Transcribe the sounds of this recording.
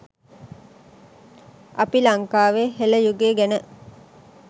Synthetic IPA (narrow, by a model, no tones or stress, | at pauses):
apilaŋkaːʋeɦeləjuɡeːɡænə